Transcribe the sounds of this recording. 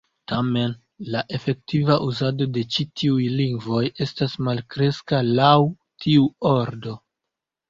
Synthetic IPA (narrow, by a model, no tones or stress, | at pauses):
tame̞n | laʔe̞fe̞k̚tivaʔuzado̞de̞t͡ʃitʰiujliŋɡvo̞je̞stasmalkɾe̞skalaw | tʰiuo̞ɾdo̞